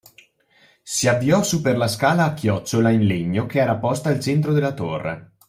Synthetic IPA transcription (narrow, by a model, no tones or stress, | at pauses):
siabːiɔsupːerlaskaːlaːkʰːjɔt͡ʃːolainleɲːokeɛːɾapɔst̪aːlt͡ʃɛnt̪̬ɾod̪elːat̪orːḛ